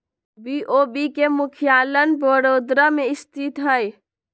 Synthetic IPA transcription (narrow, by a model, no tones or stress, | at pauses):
biʔobikemʊkʰijalənbəɾoːd̪ɾəmeɪst̪ʰit̪ɦəj